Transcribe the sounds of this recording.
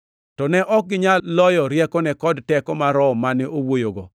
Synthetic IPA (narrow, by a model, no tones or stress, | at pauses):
tɔnɛʔɔk̚ɡɪɲalɔjɔɾjɛkɔnɛkɔdtɛkɔmaɾɔmanɪowojoɡɔ̰